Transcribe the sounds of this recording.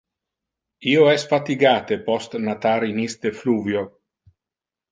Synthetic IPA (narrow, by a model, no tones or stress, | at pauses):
ioɛsfat̪iɡaːt̪epɔst̪nat̪aɾinist̪efluːvjo